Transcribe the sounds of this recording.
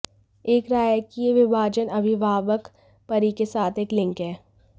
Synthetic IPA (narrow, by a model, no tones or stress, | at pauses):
eːkɾaːjkieʋɪbʱaːd͡ʒənɐbʱiʋaːʋək | pɐɾikesaːt̪ʰeːklɪ̃ŋkɦɛː